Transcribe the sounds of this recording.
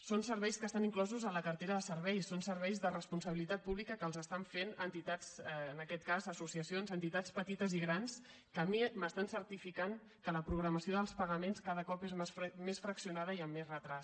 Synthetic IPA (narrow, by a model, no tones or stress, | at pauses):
sonsəɾβɛjskəst̪aniŋklɔzuzələkərt̪eɾəðəsəɾβɛjsonsəɾβɛjzðərəspunsəβ̞ilit̪at̪̚puβlikəkəːlˠzəst̪aɱfenənt̪it̪at͡sənəkɛt̪̚kazəsusiəsionzənt̪it̪at͡spət̪it̪əziɣɾans | kəmiməst̪ansəɾt̪ifikaŋ | kələpɾuɣɾəməsioðəlˠspəɣəmenskaðəkɔpezmmesfɾəksiunaðəiəmːezrət̪ɾas